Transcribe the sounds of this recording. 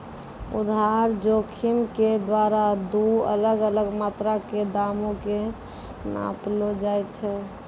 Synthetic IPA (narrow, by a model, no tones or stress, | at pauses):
ṵd̪ʱɦaɾd͡ʒokʰimked̪waɾad̪uə̰ləɡələɡmat̪ɾaked̪amõke | nã̰plod͡ʒaɛt̪t͡ʃʰɛ